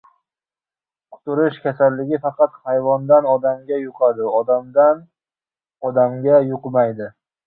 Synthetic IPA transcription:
qʰʊ̥t̪ʊɾɪʃkʲʰasalːɪɡʲɪfɑqʰɑt̪hajvɒnd̪anɒd̪amɡʲajʊqʰɑd̪ɪɒd̪amd̪an | ɒd̪amɡʲajʊqmajd̪ɪ

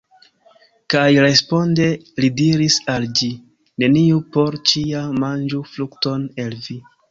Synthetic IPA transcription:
kajɾe̞spo̞nde̞lidiɾisald͡ʒi | ne̞niupo̞ɾt͡ʃiamand͡ʒuflukto̞ne̞lvi

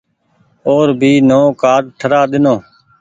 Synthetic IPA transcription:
oːɾbʱiːnoːkaːɾʈʰəɾaːɗ̪ɪnoː

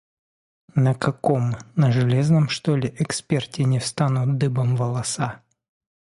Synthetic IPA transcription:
nəkɐkomnəʐɨlʲeznəmʂt̪olʲɪʔɛkspʲertʲɪnʲɪfst̪anʊt̪̚d̪ɨbəmvəlˠɐsa

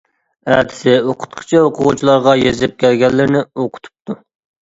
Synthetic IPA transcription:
æt̪ʰɪ̥sɪoqʰʊ̥t̪qʰə̥t͡ʃʰɛoqʰʊʁut͡ʃʰilˠɑɾʁɑjezɪp̚kʲʰælɡʲɛlːɪɾnɪoqʰʊ̥t̪ʰu̥p̚t̪u

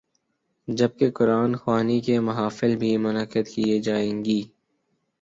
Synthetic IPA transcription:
d͡ʒɐb̚kekʊɾaːnxwaːnikemɐɦaːfɪlbʱimʊnəkːəd̪kied͡ʒaːẽːŋɡiː

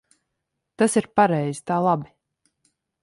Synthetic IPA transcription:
t̪asiɾpaɾɛjz̥i̥t̪aːlˠabi

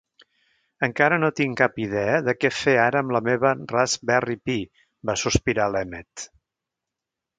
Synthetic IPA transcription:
əŋkaɾənot̪iŋkapið̞ɛəðəkɛfeaɾəːmləmeβərazbɛripi | basuspiɾalɛmet̪

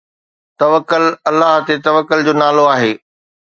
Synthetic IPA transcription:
t̪ɐʋəkːʊlɐlːaːɦt̪et̪ɐʋəkːʊld͡ʑoːnaːloaːɦeː

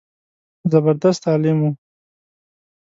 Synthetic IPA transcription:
zabaɾd̪ast̪ɑːlɪmu

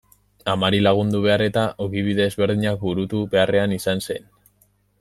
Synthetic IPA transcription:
amaɾilaɣ̞und̪uβ̞e̞are̞t̪aʔoɣiβ̞iðe̞ːzβe̞ɾðiɲak̚buɾut̪uβe̞are̞anisanse̞n

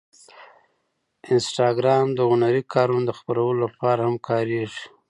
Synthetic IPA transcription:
ɪnsʈɑɡɾɑmd̪əɣʊnaɾikʰɑɾunod̪əxpaɾawəlolapɑɾahamkʰɑɾeʐi̥

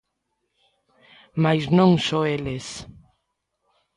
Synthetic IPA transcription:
majznõŋsoeles

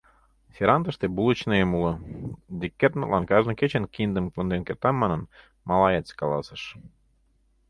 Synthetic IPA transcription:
sʲeɾɑnt̪ə̆ʃt̪ebulˠə̆t͡ɕnɤemulɤ̆d̪ikʲːet̪məlɑnkɑʒnɤ̆ket͡ɕĕnkind̪əmkənd̪enkert̪ɑmɑnə̆n | mɑlˠɑjet͡skɑlˠɑ̰sə̆ʃ

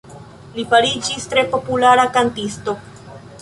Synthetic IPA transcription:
lipaɾid͡ʒistɾe̞po̞pulaɾakantisto̞

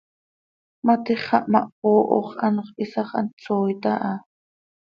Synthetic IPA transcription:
mat̪iχɑʔmaʔpoːʔo̰χanχisɑχa̰nt͡soːjt̪aʔa

